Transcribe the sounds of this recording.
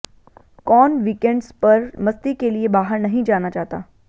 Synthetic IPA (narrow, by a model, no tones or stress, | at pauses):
kɔːnʋiːkẽɳɖspɐɾmɐst̪ikeliebaːɦəɾnɐɦĩd͡ʒaːñat͡ʃaɦt̪a̰ː